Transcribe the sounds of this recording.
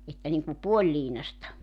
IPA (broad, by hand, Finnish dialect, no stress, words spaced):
etːæ niŋku puolʲliːnɑstɑ